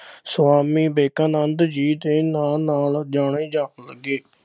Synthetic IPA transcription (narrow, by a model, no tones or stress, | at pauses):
sʋaːmiːbeːkaːnənd̪d͡ʒiːd̪eːnaːnaːld͡ʒaːɳẽːd͡ʒaːləɡːeː